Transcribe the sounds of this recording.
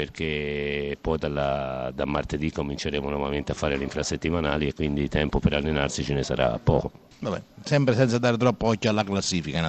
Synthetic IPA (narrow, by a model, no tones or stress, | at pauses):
erkʰepːɔjd̪alːad̪amːart̪ed̪ikːomint͡ʃeɾeːmonɔvament̪eafːaːɾeliɱfɾasːet̪ːimanaːliekːwind̪it̪ɛmpopeɾalːenarsit͡ʃenesa̰ɾa̰pːɔ̰ːko | vabɛ̰sɛmpɾesɛnt̪sad̪aːɾet̪ɾɔpːoɔcːoalːaklasːiːfikana